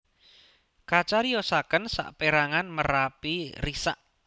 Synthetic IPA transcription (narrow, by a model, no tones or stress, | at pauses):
kat͡ʃaɾijɔsakənsa̰ʔpeɾaŋanməɾapirisa̰ʔ